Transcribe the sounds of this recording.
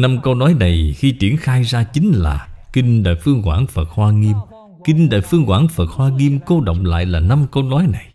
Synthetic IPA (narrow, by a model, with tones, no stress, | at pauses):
na˧mkə˧wnɔ˨˦jna˨˩jxi˧t͡ɕi˧˩ənxaː˧jzaː˧t͡ɕï˨˦ŋ̟la̰ː˨˩kï˧ŋ̟ɗa̰ː˧˨jfɨ˧əŋkwa̰ː˧˩ŋfə˨˩t̚hwaː˧ŋi˧əm | kï˧ŋ̟ɗa̰ː˧˨jfɨ˧əŋkwaː˧˩ŋfə˨˩t̚hwaː˧ŋi˧əmko˧ɗə̰˧˨wŋ͡mla̰ː˧˨jlaː˨˩na˧mkə˧wnɔ˨˦jna˨˩j